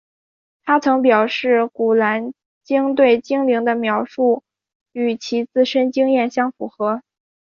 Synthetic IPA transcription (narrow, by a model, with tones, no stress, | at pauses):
t̪ʰa˥t͡sʰɤ˧˥ŋp̬jɑ˨˩ʊʂɻ̩˥˩ku˨˩la˧˥n | t͡ɕi˥ŋt̪we˥˩ɪt͡ɕi˥ŋli˧˥ŋd̪ə˧mjɑ˧˥ʊʂu˥˩ | y˨˩t͡ɕʰi˧˥t͡sɹ̩˥˩ʂə˥nt͡ɕi˥ŋjɛ˥˩nɕjɑ˥ŋfu˧˥xɤ˧˥